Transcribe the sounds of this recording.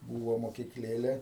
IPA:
ˈbuːʋoː moːkʲɪkˈlʲeːlʲɛ

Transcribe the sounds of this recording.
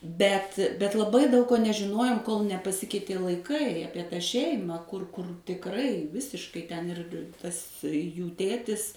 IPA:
ˈbʲɛt bʲɛt lˠɐˈbɐɪ dɐʊk koː nʲɛʒʲɪˈnoːjoːm koːlˠ nʲɛpɐˈsʲɪkʲɛɪtʲeː lˠɐɪˈkɐɪ ˈɑːpʲiɛ tɐ ˈʃʲɛɪmɐ ˈkʊr ˈkʊr tʲɪkˈrɐɪ ˈʋʲɪsʲɪʃkɐɪ ˈtʲɛn ɪr ˈtɐs ˈjuː ˈtʲeːtʲɪs

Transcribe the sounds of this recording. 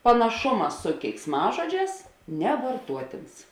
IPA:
pɐnɐˈʃʊmɐ sʊ kʲɛɪksˈmɑːʒoːˌd͡ʒʲɛːs nʲɛʋɐrˈtuɔtʲeːns

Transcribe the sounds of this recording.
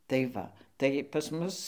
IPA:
tɐɪ ˈʋɐ tɐɪ pɐs ˈmʊs

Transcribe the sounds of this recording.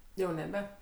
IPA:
jɛʊ nʲɛˈbʲɛ

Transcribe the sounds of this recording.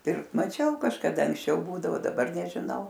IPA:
ˈpʲɪrkt mɐˈt͡ʃʲɛʊ kɐʃkɐˈdɐ ɐŋksʲˈt͡ʃʲɛʊ ˈbuːdɐʋoː dɐˈbɐr nʲɛʒʲɪˈnɐʊ

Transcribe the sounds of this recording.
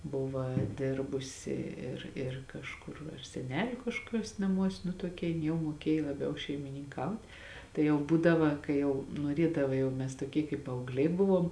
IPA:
ˈbʊʋɐ ˈdʲɪrbʊsʲɪ ɪr ɪr kɐʃˈkʊr ɐr sʲɛˈnʲæːlʲʊ kɐʃkoːˈkʲuɔs nɐˈmuɔs nʊ toːˈkʲɛ jɪn ˈjɛʊ muɔˈkʲeːj lˠɐˈbʲɛʊ ʃʲɛɪmʲɪnʲɪŋˈkɐʊtʲ tɐɪ jɛʊ ˈbuːdɐʋɐ kɐɪ ˈjɛʊ nuɔˈrʲiɛdɐʋɐ jɛʊ ˈmʲɛs toːˈkʲiɛ kɐɪp pɐɐʊɡˈlʲɛɪ ˈbʊʋoːm

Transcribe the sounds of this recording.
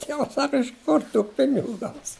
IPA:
ˈtʲiɛʋɐs ˈsɑːkɐ ɪʃ ˈkʊr tuː ˈpʲɪnʲɪɡʊ ˈɡɐʊs

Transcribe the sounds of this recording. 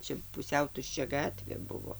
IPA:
ˈt͡ʃʲɛ pʊˈsʲɛʊ tʊʃʲˈt͡ʃʲɛ ˈɡɑːtʲʋʲeː ˈbʊʋoː

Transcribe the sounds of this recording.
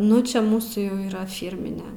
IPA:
ˈnʊ t͡ʃʲɛ ˈmuːsuː jɛʊ iːˈrɐ ˈfʲiːrʲmʲɪnʲɛ

